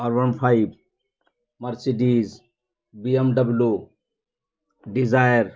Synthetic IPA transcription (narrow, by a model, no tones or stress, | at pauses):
ɔɾʋɐnpʰaib | mɐɾsiɖiz | biemɖɐblju | ɖizajɾ